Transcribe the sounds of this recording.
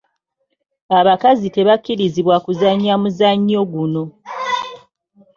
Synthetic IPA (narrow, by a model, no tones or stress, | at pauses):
aβakazite̞βakːiɾiziβwakuzaɲːamuzaɲːo̞ɡuno̞